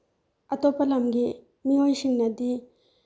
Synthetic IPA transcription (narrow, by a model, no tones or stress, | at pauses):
ɐt̪ɔpɐlɐmɡi | miojsiŋnɐd̪i